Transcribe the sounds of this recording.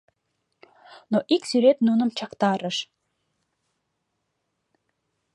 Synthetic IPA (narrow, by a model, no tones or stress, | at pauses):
noʔiksyɾet̪nunəmt͡ʃɑqt̪ɑɾəʃ